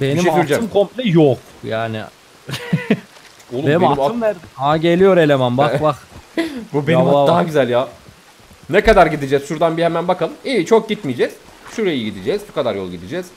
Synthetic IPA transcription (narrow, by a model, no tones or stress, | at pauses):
benimyɾd͡ʒɯmkʰomplʲɛjok | jaːnɪ̰ | olˠbenimaimaɯmnæɾd̪ɛaɟelʲijo̞ɾelʲemæmbabaxbubeniadaɦaɟyzælʲjaː | nekad̪aɾɟid̪id͡ʒɛzʃuɾd̪anbihemænbakʰalˠɯmiːt͡ʃʰo̞k̚ɟit̪mijd͡ʒɛz̥ | ʃuɾejiiɟid̪id͡ʒɛzbukʰad̪aɾjolˠɟid̪id͡ʒɛz̥